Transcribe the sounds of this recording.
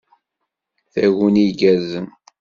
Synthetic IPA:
θæʝuniɡæzən

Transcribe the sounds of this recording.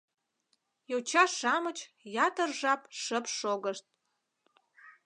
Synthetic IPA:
jowt͡ɕɑʃɑmət͡ɕjɑt̪ərʒɑpʃəpʃoɣəʃt̪̚

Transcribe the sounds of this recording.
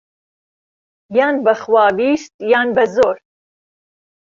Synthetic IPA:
jɑːnbəχwɑːbist̪̚jɑːnbɐzoɾ

